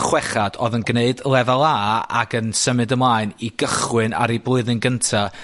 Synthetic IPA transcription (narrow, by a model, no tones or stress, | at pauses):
χwɛχad̥ɔðənɡneɨdlˠɛvalˠaa̰ɡənsəmɨdəmlˠaːɨniɡəχwɨna̰ɾiblˠʊɨðɨnɡəntʰa